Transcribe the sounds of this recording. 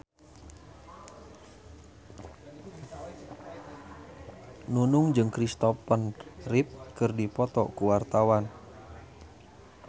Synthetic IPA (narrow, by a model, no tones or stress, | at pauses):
nunuŋd͡ʒɨŋkɾist̪ɔpənrip̚kɨrdipɔt̪ɔ̰kuwart̪awan